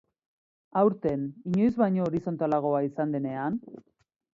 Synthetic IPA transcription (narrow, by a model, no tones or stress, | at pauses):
awɾt̪e̞niɲo̞jzβaɲo̞ːɾiso̞nt̪alaɣ̞o̞aisand̪e̞ne̞an